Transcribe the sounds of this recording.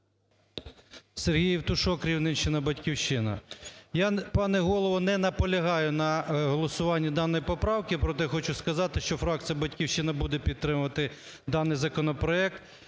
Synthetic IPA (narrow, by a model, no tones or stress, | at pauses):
serɦʲijiwt̪ʊʃɔkɾʲiwnɪnʃɪnɐbɐtʲkʲiwʃt͡ʃɪnɐ̰japɑnɛɦɔlˠɔʋɔnɛnɐpɔlʲɐɦɑjʊnɐɦɔlˠɔsʊʋɑnʲːɐd̪ɑnːɔjpɔpɾɑwkɪpɾɔt̪ɛjxɔt͡ʃʊskɐzɑt̪ɪʃt͡ʃɔfɾɑk̚t̪sijɐbɐtʲkʲiwʃɪnɐbud̪ɛpʲid̪̚t̪ːɾɪmʊʋɐt̪ɪ | d̪ɑnɪjzɐkɔnɔpɾɔɛk̚t̪